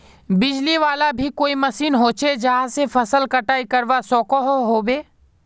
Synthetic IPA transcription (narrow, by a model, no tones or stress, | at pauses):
bɪd͡ʒliʋaːlabʱikoːimɐsiːnɦoːt͡ʃed͡ʒɐɦãsefʰɐsəlkɐʈaːikɐɾʋasɔːkoɦoɦoːbeː